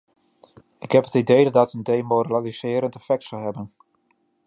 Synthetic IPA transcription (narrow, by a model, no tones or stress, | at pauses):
ɪkɦɛpətidejddɔtəndejmorlalisɪːɾəntəfɛk̚tsɔlɦɛbən